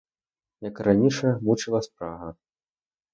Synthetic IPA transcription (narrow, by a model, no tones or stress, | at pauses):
jɐkranʲiʂɐmut͡ʂɨlˠɐspɾaɣɐ